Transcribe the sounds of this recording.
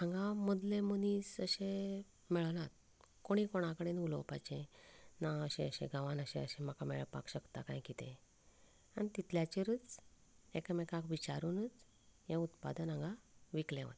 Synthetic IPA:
ãŋɡamod̪lemuniːsəɕẽ | mɛɭlat̪̚ | koɽ̃ikoɽ̃akəɽenulopajt͡ɕẽnaəɕẽəɕḛ̃ɡaʋanəɕẽəɕẽm̤akamɛɭpa̰kɕəkt̪akã̰jkit̪ḛ̃ | aɽ̃it̪it̪ljat͡ɕiɾət͡s | ekmɛkãkʋit͡ɕaɾuːnət͡s | jẽut̪pa̰d̪ənãŋɡaʋiklḛ̃ʋ̤a̰t̪

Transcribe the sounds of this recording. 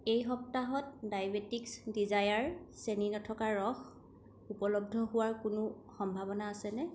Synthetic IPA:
ejɦɔp̚taɦɔt̚dajbetiksdizajaɹseninɔtʰɔkaɹːɔx | upɔlɔb̚dʱɔɦʊwaɹkʊnʊ | xɔmbʱabɔnaːsɛnɛ

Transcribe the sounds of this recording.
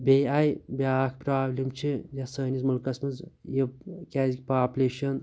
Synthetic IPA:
bʲejajbʲaːkʰpɾaːblʲimt͡ʃʰijasəːnizmulkɐsmɐzjikʲaːzik̚ʲpaːpʲuleːʃɐn

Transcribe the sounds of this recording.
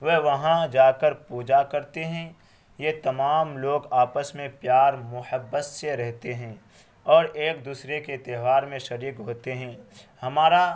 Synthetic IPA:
ʋeɦʋɐɦãd͡ʒaːkəɾpuːd͡ʒakɐɾt̪eɦɛ̃ | jet̪ɐmaːmloːɡaːpəsmẽpjaːɾmʊhəbːət̪seɾɛɦt̪eɦɛ̃ː | ɔːɾeːk̚d̪uːsɾeket̪ɛːʋaːɾmẽʃɐɾiːkɦoːt̪eɦɛ̃ːhɐmaːɾa

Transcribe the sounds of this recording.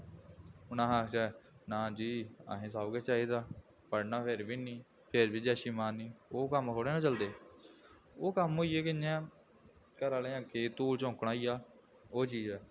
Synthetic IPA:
ʊnãːɦaːkʰt͡ʃaːɛnãːd͡ʒiːa̰ːɦẽːs̬aːbɡɛːt͡ʃaːɦiːd̪aː | pəɽnaːpʰeɾbiːnĩː | pʰeɾbiːd͡ʒɛːʃiːmaːnĩːoːkəmkʰoːɽeːnãːt͡ʃəld̪eː | oːkəmɦoːiːeːkɪnãː | kəɾaːlẽːãːkʰeːt̪uːlt͡ʃõːkɽaːijaː | oːt͡ʃiːd͡ʒɛː

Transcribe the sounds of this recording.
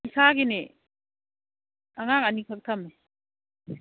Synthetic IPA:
isaɡine | aŋaŋanikʰak̚tʰame

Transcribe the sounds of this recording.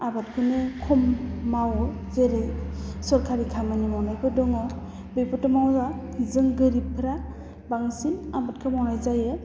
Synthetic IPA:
abatkʰɯnɯkʰɔmːaw | zeɾɯjsɔɾkʰaɾikʰamanimɔwnajpʰɯdɔŋɔ | bɯjpɔtɯmawza | zɯŋɡɯɾippʰːɯɾa | baŋsinamat̚kʰɯmɔwnajzajɯ

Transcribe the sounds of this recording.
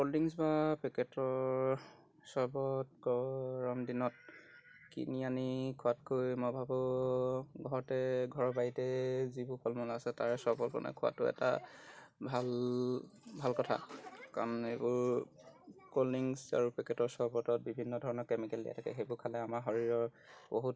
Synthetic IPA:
koldiŋsbapɛkɛtɔ | sɔɹbɔt̚ɡɔɹɔmdinɔt̚ | kḭnianikʰʊatkojmɔbʱabɔ | ɡʱɔɹɔtɛɡʱɔɹɔbajitɛzibʊɹkʰɔlmɔlaasɛtaɹsɔɹbɔlpɔ̰nɛ̰kʰʊa̰tʊɛ̰ta̰ | bʱal | bʱalkɔtʰa̰kaɹɔnebʊɹ | koliŋsa̰ɹupɛkɛtɔɹsɔɹbɔtɔt̚bibʱinːɔdʱɔɹɔnɔɹkɛmikɛldḭja̰tʰakɛ̰ɦejbʊɹkʰalɛamaɹɦɔɹiɹɔɹ | boɦut̚

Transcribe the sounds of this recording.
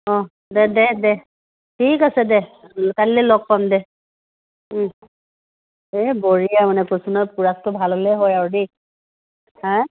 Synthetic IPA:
ɔ̃ | dɛdɛdɛ | tʰikasɛdɛkallɛlɔɡ̚pamdɛ | ebɔɹijamanɛkosunɔjpuɹastʊbʱalɔlɛɦɔjaɹude | hã

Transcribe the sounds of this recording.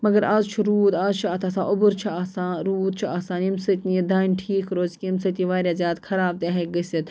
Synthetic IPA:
mɐɡɐɾaːzt͡ʃʰuɾuːd̪aːzt͡ʃʰuaːt̪ʰaːsãːʔʊbuɾt͡ʃʰiaːsãːɾuːd̪̚t͡ʃʰuaːsaːnimsɐt̪nid̪aːnʈʰiːkɾoːzkʲiimsɐt̪iːʋaːɾʲjaːzjaːd̪kʰɐɾaːb̚t̪aːɦeɡɐsit̪

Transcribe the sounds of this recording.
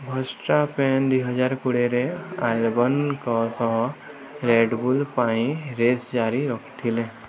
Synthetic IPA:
bʱəsʈapɛːnd̪iɦəd͡ʒaːɾkuɽeɾealbənkɔsɔɦ | ɾeːɖbulpaːĩɾeːsd͡ʒaːɾiɾɔkʰt̪ʰilẽ

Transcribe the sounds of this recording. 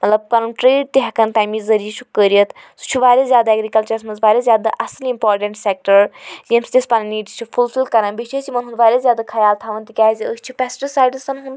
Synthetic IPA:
mɐt̪lɐb̚kanunʈɾeːɖt̪iɦɐkɐnt̪aːmiːzɐɾiːʃʰukəːɾijɐt̪su̥t͡ʃʰuʋaːɾʲɐzʲjaːd̪aɛːɡɾikɐlt͡ʃɐɾsmɐnzʋaːɾʲezʲjaːd̪aʔɐslimpɔːɾʈɐ̃ɳʈsek̚ʈəɾjemsi̥t̪espanɐniːʈi̥t͡ʃʰufʰulfilkɐɾãːnbit͡ʃʰesimɐnɦũnd̪ʋaːɾʲɐzʲjaːd̪akʰɐjaːlt̪ʰaːʋɐnt̪ikʲaːzʲiəst͡ʃʰipʲɛsʈəsaːjɖsɐnɦũnd̪

